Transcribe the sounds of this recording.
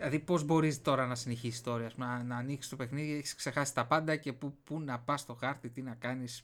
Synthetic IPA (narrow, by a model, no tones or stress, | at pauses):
lɐðipo̞zbo̞ɾist̪o̞ɾɐnɐsine̞çisi̥st̪ooɾiɐspumnɐnɐːniksi̥st̪o̞pe̞xniðieçi̥skse̞xɐsi̥t̪ɐpɐnd̪ɐce̞pupunɐpɐst̪o̞xɐɾt̪it̪inɐkɐnis